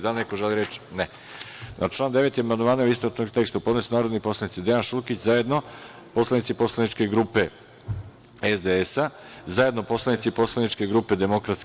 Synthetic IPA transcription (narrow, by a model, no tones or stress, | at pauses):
d̪alnekoʒeliɾe̞t͡ʃne | na̰t͡ʃlaːnd̪e̞ʋe̞t̪jemanoʋaːnaist̪ot͡ʃnoɡt̪e̞kst̪upod̪nesnaːɾo̞d̪nipo̞slˠanit̪sid̪e̞janʃulkit͡ɕzaje̞d̪no̞ | po̞slˠanit̪sipo̞slanit͡ʃke̞ɡɾuːpe̞ | ezd̪eesa | zaje̞d̪nopo̞slˠanit̪sipo̞slˠanit͡ʃke̞ɡɾuːpe̞d̪e̞mo̞kɾat̪s